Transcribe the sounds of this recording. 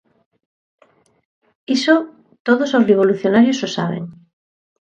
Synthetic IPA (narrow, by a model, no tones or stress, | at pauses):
iso | t̪oðosozreβ̞oluθjonaɾjososaβ̞ḛŋ